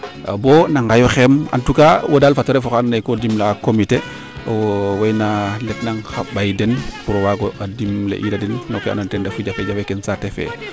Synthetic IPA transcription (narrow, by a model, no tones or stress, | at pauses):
a̰bonaŋɡajoxema̰ntukawodaːlfatoɾefɔxanːekodimlaːkomite | owajnaletnaŋxabajdɛnpuɾowaɡoʔadimlḛʔiɾadinnokea̰nontɛndafuɟafeɟafekensatefḛ